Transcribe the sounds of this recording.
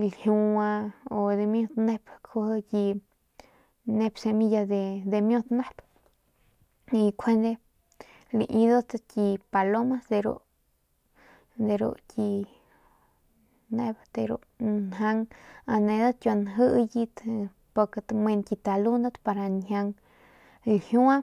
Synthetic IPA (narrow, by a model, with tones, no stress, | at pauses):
lhju˧a˧o˧d̪e˧mjõ˧t̪ne˧pkʰo˧hji˧ | ne˧pse˧mi˧ja˧d̪e˧d̪e˧mjo˧t̪ne˦p | i˧kʷʰe˧nd̪e˧ | lḭ˧ʔĩ˧d̪a˦t̪kʲi˧pa˧lo˦ma˦sd̪e˧ɾo̰˧ | d̪e˧ɾṵ˧kʲi˧ | ne˧bd̪e˧ɾṵ˧ | nɦa˧ŋa˧nẽ˧d̪a˦kʲjo˧nɦɨ˦ʔji˧t̪ | po˧ke˧t̪me˧nkʲi˧t̪a˧lu˦nd̪o˦t̪pa˧ɾa˧nɦa˧ŋ˧ | hju˦a˦